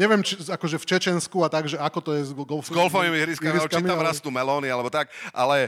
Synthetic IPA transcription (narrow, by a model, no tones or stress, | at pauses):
ɲɛʋɪɛmt͡ʃiakɔʒɛft͡ʃɛt͡ʃɛnskuat̪aɡʒɛʔakɔt̪ɔjɛzɡɔlfzɡɔlfɔimiɦɾiskamiɾit͡ʃkamit̪amɾast̪umɛlɔːnialɛbɔt̪ak̚ʔalɛ